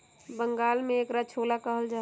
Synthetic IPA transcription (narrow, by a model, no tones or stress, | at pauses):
bə̃ŋɡaːlmẽeːkɾat͡ʃʰoːlakəɦəld͡ʒaː